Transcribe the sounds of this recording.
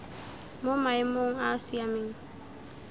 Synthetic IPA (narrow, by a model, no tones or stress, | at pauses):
mʊmajmʊŋasiamɪŋ